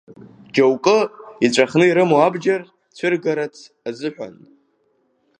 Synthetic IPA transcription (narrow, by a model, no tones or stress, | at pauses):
d͡ʒawkʼɨit͡ɕʷʼaχnɨiɾɨmoabd͡ʒar | t͡ɕʷʰɨrɡaɾatʰ | azɨħʷᶣa̰n